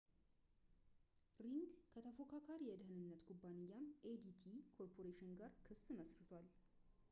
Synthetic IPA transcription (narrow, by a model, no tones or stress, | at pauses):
ɾiŋɡkʰət̪ʰəfo̞kʰakʰaɾjɛd̪əɦɨnɨnːət̪kʰubːanɪjːamʔed̪it̪ʰikʰo̞ɾpʰo̞ɾeʃɪnɡaɾkʰɨsːɨməsɾɨt̪ʰwal